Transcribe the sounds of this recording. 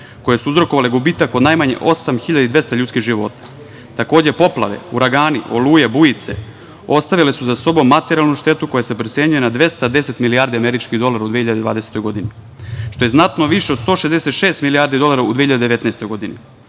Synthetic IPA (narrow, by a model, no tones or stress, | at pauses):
ko̞jesuuzɾo̞koʋaleɡubiːt̪akod̪najmaɲe̞̰ʔo̞samxiʎad̪id̪ʋe̞st̪aʎuːskiɣʒiʋo̞̰t̪ḁ | t̪ako̞ːd͡ʑe̞po̞plˠa̰ʋḛṵɾaɡaːniʔo̞̰luːje̞bujit̪se̞̰ | o̞st̪aʋilesuzaso̞bo̞mːat̪eɾialˠnuʃt̪e̞t̪uko̞jase̞pɾot̪se̞ɲujenad̪ʋe̞st̪ad̪ese̞t̪miliaːɾd̪iameɾit͡ʃkiɦd̪o̞lˠaɾaud̪ieçiʎad̪d̪ʋa̰ːd̪e̞set̪o̞jɡo̞d̪ini | ʃt̪o̞je̞znat̪noʋiʃeod̪st̪o̞ːʃezd̪ese̞t̪ʃe̞ːst̪miliaːɾd̪id̪o̞lˠaɾaud̪eiʎad̪ed̪ee̞t̪naest̪o̞jɡo̞d̪inḭ